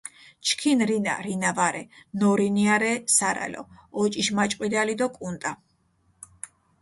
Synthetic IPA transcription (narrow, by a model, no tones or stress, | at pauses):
t͡ʃʰkʰinɾina̰ɾinavaɾɛnɔɾiniaɾɛsaɾa̰lɔ̰ɔt͡ʃʼiʃmat͡ʃʼqʼwid̪alid̪ɔkʼunt̪ʼa